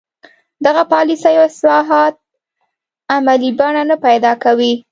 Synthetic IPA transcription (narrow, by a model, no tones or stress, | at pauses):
d̪aɣapɑlisəjoɪslɑɦɑt̪̚ | amalibaɳanapajd̪ɑkawi